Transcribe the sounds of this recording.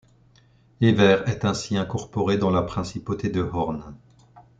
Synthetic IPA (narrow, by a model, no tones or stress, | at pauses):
evɛʁɛt̪ɛ̃siɛ̃kɔʁpɔʁed̪ɑ̃lapχɛ̃sipot̪ʰed̪əhɔʁn